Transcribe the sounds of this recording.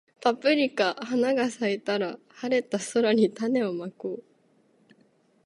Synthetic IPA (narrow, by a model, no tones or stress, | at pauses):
papɯ̟ɾʲikahanaɡasait̪aɾa | haɾe̞t̪ːaso̞ɾaɲ̟it̪ane̞o̞makoː